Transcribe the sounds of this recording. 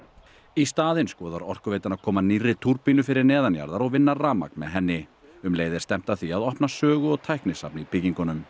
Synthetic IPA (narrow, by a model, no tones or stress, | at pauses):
ist̪aːðɪnskɔːðaɾɔr̥kʏveːjt̪anakʰɔːmanirːɪt̪ʰuɾpinʏfɪɾɪɾnɛːðanja̰ɾðaɾɔɣvɪnːaraːma̰knmɛ̰ðɦɛnːɪ | ʏmleːjðɪɾ̥st̪ɛm̥t̪aθiaðɔhpnasœːɣʏɔɣt̪ʰajhknɪsapnɪipʰɪciŋkʏnʏm